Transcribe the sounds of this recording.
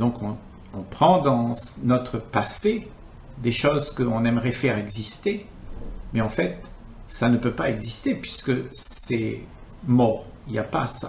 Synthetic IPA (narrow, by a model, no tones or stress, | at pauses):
d̪ɔ̃kʰɔ̃ | ɔ̃pχɑ̃d̪ɑ̃snɔt̪χəpase | d̪eʃozkəɔ̃nɛmʁɛfɛʁɛɡzist̪e | mɛɑ̃fɛt̪ | sanəpøpaɛɡzist̪epɥiskəsɛ | mɔʁ | iljapasa̰